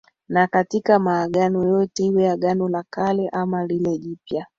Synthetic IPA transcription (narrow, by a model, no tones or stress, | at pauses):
nakatikamaːɡanɔjɔtɛiwɛaɡanɔlakalɛʔamalilɛʄipja